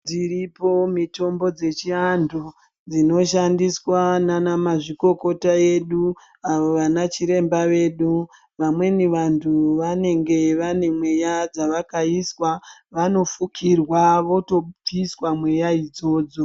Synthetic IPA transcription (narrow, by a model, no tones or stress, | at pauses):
d͡ziripo̞mito̞mbo̞d͡ze̞t͡ʃiandʰu | d͡zino̞ʃandiswananamaʐiko̞ko̞tae̞ɗu | aʋoʋanat͡ʃiɾe̞mbaʋe̞ːɗu | ʋamwe̞niʋantʰuʋane̞ŋɡe̞ʋane̞mwe̞jad͡zaʋakaiswaʋano̞fukʰirwaʋo̞to̞piswamwe̞jaid͡zo̞ːd͡zo̞